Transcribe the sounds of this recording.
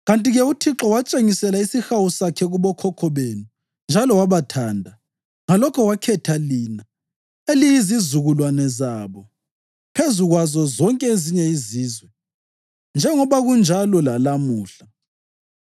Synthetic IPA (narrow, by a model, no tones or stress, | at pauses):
ɣantʼiɣɛutʰiǁɔwat͡ʃʼeŋisɛlaisixawusakʰɛɣuβɔkʰɔkʰɔβenu | nd͡ʒʱalɔwaβatʰaːndʱa | ŋalɔkʰɔwakʰɛtʰalina | elijizizuɣulwanɛzaːβɔ | pʰezuɣwazɔzɔŋkʼɛeziɲɛiziːzwɛ | nd͡ʒʱɛŋɔβaɣund͡ʒʱalɔlalamuːɬa